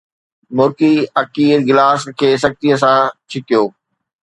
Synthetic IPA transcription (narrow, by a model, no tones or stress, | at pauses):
mʊɾkiɐkiːɾɡɪlaːskʰeːsɐk̚t̪iəs̬ãt͡ɕʰɪkijoː